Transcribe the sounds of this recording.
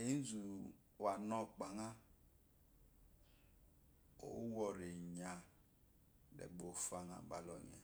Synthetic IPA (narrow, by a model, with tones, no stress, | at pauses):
e˦n̩˦zu˨ | wa˨nɔ˦k͡pa˨ŋa˦ | o̰˨˦wɔ˨ɾe˨ɲa˨ | dḛ˨bo˨fa˦ŋa̰˨ba˨lɔ̰˨ɲ˨a̰˨